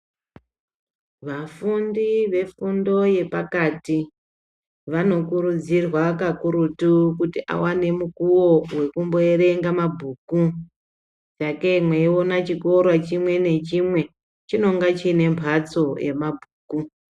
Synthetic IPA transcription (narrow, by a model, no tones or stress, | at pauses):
ʋafundiʋe̞fundo̞je̞pakati | ʋano̞kuɾud͡zirwakakuɾutukutiʔa̰wane̞mukuwo̞we̞kumbo̞eɾe̞ŋɡamabʱuːku | t͡ʃake̞mweiwonat͡ʃiko̞rwat͡ʃimwe̞ne̞t͡ʃimwe̞ | t͡ʃino̞ŋɡat͡ʃine̞mpʰat͡so̞jḛmabʱuːku